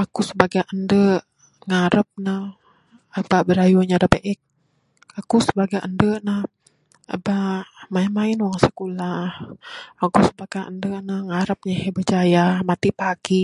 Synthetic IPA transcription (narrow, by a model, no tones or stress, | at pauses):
akusəbaɡaʔəndə | ŋaɾəp̚nə | ababəɾajuɲadabeʔɛk̚ | akusəbaɡaʔəndənah | a̰bamainmainwaŋsə̥kulahakusəbaɡ̥aʔə̰ndənəhŋaɾəp̚ɲahebəd͡ʒajamat̪ipaɡi